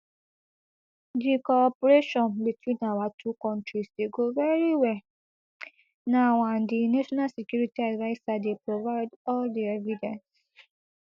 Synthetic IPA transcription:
dikɔpoɾeʃɔ̃nbitwĩnawatʰukɔ̃ntɹisdeɡovɛɹiwɛl | naw̃ãndinaʃɔnalsekjuɹitiadvaɪsadepɹovaɪdɔldiɛvidɛ̃ns

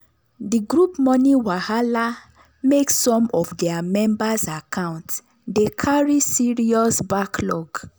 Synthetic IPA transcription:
diɡɹupmɔniwahala | meksɔ̃mɔfdɛamɛ̃mbasakʰãʊ̃nt | dekʰaɹisiɹiɔsbaklɔk

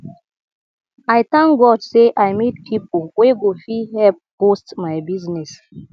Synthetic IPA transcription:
ajt̪ãŋɡɔdseʔajmitpʰipoweɡofihɛp̚ːostmajbiznɛs

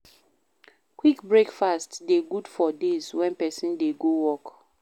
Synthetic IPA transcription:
kwikbɹekfastdeɡud̥fɔdezwɛ̃npɛsĩndeɡowɔk

